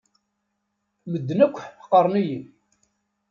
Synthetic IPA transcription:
məd̪ːnækʷːħqːəɾˤniji

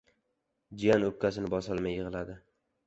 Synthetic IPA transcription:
d͡ʒijanɵp̚kʲːasɪnɪbɒsɪlˠmajːɨʁɨlad̪ɪ

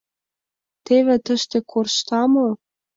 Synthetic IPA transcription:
t̪eβĕt̪ə̆ʃt̪ekʰorʃt̪ɑmŏ

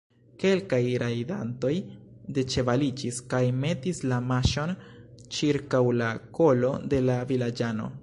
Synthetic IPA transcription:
ke̞lkajɾajdanto̞jde̞t͡ʃe̞valid͡ʒiskajme̞tislamaʃo̞n | t͡ʃiɾkawlako̞lo̞de̞lavilad͡ʒano̞̰

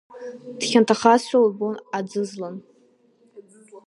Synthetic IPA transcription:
d̥χʲantʰaχasʷaubonad͡zɨzlan

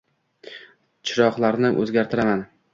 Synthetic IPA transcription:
t͡ʃʰɪɾɒqlˠaɾnɪʔɵ̰zɡʲaɾt̪ʰɪɾaman

